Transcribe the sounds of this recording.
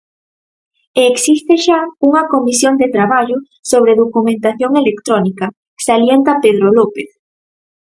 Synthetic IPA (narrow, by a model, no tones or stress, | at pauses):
eːksist̪eʃauŋɐkomisjond̪et̪ɾaβaʎʊ | soβ̞ɾeðokumẽnt̪aθjoŋelekt̪ɾɔnikɐ | saljent̪apeðɾolopeθ